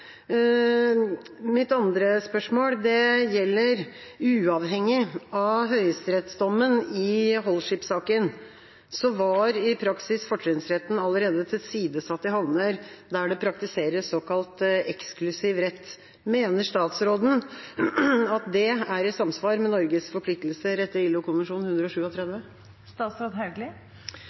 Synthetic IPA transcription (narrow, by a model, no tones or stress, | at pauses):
mɪt̪ɑnd̪ɾəspœʂmoːld̪ɛjɛlːəɾʉːɑʋɦɛŋːɪɑɦœʏəst̪ɾɛt̪sd̪ɔmːənɪɦɔlːʂɪpsɑːkən | sɔʋɑɾɪpʰɾɑksɪsfɔʈɾɪnsɾɛt̪ːn̩ɑlːəɾeːd̪ət̪ʰɪlsiːd̪əsɑt̪ːəɦɑʋnəɾd̪æɖɛpʰɾɑkt̪ɪseːɾəsɔkʰɑlt̪ɛksklʉsɪʋɾɛt̪ː | meːnəʂt̪ɑːt̪sɾoːd̪n̩ | ɑt̪̚d̪ɛæɾɛɪt̪sɑmsʋɑːɾmɛnɔɾɡəsfɔɾflɪk̚t̪l̩səɾɛt̪ːəɪlːʊkʰʊnʋənʂuːnhʉnd̪ɾəɔʂʉːɔt̪ʰɾɛd̪ʋə | st̪ɑːt̪sɾoːd̪ɦɑɡlɪ